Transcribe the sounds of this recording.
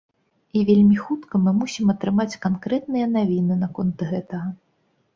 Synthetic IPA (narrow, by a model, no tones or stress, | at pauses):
ivʲelʲmʲixut̪kɐmɨmusʲimɐt̪ɾɨmat͡sʲkankɾɛt̪̚nɨjɐnavʲinɨnakɔnt̪ɣɛt̪ɐɣɐ